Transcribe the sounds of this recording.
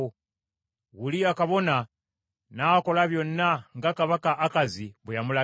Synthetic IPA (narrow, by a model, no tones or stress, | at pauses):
ɣuliakaβo̞na | nako̞laβjo̞nːaŋɡakaβakaʔːkaziβujamula